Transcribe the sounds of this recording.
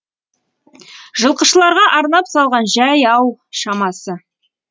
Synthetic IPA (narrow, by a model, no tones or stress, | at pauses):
ʒ̥əlˠqəʃəlˠɑɾʁɑʔɑɾnɑpsɑlˠʁɑnʒæjɑwʃɑmɑsə